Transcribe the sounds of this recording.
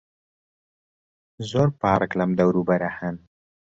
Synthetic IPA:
zoɾpɑːɾklamd̪awɾubaɾahan

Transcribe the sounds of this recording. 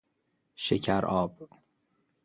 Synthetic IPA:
ʃecʰæɾʔɒːb̥

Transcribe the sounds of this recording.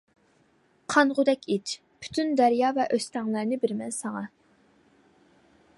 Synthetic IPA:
qʰɑnʁʊd̪ɛkʲit͡ʃ | pʰy̥t̪ʰynd̪æɾjɑːvɛʔøst̪ɛŋlˠæɾnɪbɪɾmɛnsɑŋɑ

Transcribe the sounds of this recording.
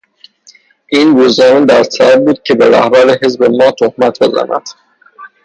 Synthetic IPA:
ʔiːnɾuːznɒːmed̪æɾsæb̪̚buːd̪̥̚cʰe̞beɾæhbæɾeɦe̞zbe̞mɒːt̪ʰohmæt̪ʰbe̞zæ̰næ̰d̪̥

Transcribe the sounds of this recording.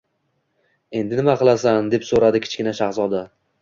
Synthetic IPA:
e̞nd̪ɪnɪmaqʰɨlˠasand̪e̞psoɾad̪ɪkʲʰɪ̥t͡ʃkʲɪnaʃaχzɒd̪a

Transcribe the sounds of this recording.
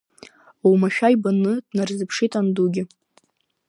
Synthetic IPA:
uwmaʃᶣajbanɨdnarzɨpʰʂitʼanduɡʲɪ

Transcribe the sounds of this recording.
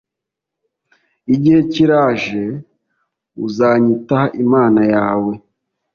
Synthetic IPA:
iɟihe̞ciɾaːʒe̞ | ṵzaːɲitahaʔimaːnajaːwe̞

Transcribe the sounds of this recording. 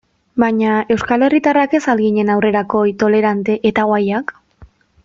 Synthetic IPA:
baɲae̞wskale̞rit̪arake̞salɣiɲe̞nawre̞ɾako̞jt̪o̞le̞ɾant̪e̞ʔet̪aɣwajak

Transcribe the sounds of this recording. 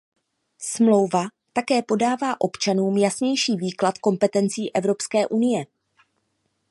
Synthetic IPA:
smlo̞wva | t̪akɛːpo̞daːvaːʔo̞pt͡ʃanuːmjasɲɛjʃiːviːklat̪ko̞mpɛt̪ɛnt͡siːʔɛvɾo̞pskɛːʔunɪjɛ

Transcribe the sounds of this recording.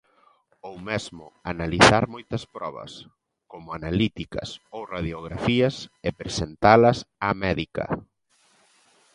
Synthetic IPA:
owmezmʊanaliθaɾmojt̪ɐspɾɔβɐ̰s | komʊanalit̪ikɐ̰sowraðjoɣ̞ɾafiɐsepɾesent̪alɐsamɛðikɐ̰

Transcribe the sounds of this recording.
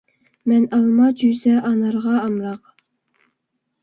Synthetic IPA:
mɛnɑlˠmɑd͡ʒyzɛʔɑnɑɾʁɑɑmɾɑq

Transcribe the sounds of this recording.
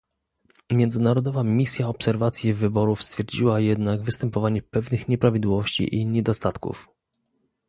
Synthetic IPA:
mʲjɛnd̪zɘnaɾɔd̪ɔvamʲisʲjaɔpsɛɾvat̪sʲjɛvɘbɔɾufst̪fʲjɛɾd͡ʑiwajɛd̪naɡvɘst̪ɛmpɔvaɲɛpɛvnɘxɲɛpɾavʲid̪wɔvɔɕt͡ɕḭʔiɲɛd̪ɔst̪at̪kṵf

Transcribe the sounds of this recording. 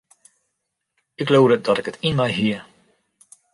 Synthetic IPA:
ɪklowdədɔtɪkətʰinmɛjɦiə

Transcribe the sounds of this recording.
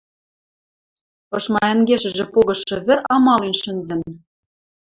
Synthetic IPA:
ɤ̆ʃmɑɘ̆ŋɡeʃɘ̆ʒĕpoɣɤ̆ʃɤ̆βɘ̆ɾɑmɑlinʃɘ̆nzɘ̆n

